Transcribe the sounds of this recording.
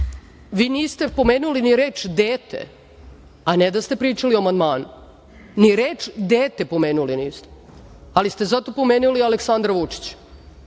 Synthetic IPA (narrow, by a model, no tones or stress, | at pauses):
ʋiːniːst̪e̞po̞meːnuliniɾeːt͡ʂd̪eːt̪ʰḛ | anɛd̪ast̪e̞pɾiːt͡ʂalioamand̪maːnu | niɾeːt͡ʂd̪eːt̪e̞po̞meːnuliniːst̪e | alist̪ezat̪o̞po̞meːnulialeksand̪ɾaʋut͡ʂi̥t͡ɕ